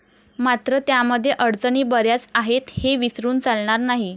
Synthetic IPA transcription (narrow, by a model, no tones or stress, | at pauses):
mat̪ɾət̪jaməd̪ʱːjeʔəɽt͡səɳiːbəɾjat͡saɦet̪heʋisɾuːnt͡salɳaɾnaɦi